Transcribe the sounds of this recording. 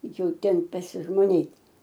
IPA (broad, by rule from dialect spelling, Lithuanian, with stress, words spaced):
jɛʊ ˈtʲɛn pɐsʲɪʒmoːˈnʲeːt